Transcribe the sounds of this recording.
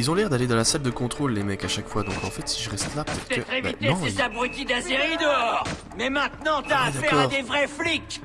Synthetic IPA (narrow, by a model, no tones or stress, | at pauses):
ilzɔ̃lɛʁd̪aled̪ɑ̃lasald̪əkɔ̃t̪χolːemɛkaʃakfwad̪ɔ̃kɑ̃fɛt̪siʒəʁɛst̪lapə̥t̪ɛt̪̚t̪ɛəebɛit̪eɔ̃sesabʁət̪ʲid̪laseʁid̪əɔʁ | mɛmɛ̃t̪nɑ̃t̪yaːfaɛkɔad̪evʁɛflik